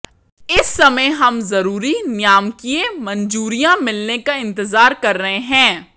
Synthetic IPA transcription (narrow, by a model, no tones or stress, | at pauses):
ɪsːɐməɦɐmzɐɾuːɾinjaːmkiemɐ̃nd͡ʒuːɾijãmɪlnekaɪ̃nt̪ɪzaːɾkɐɾːɐɦẽɦɛ̃ː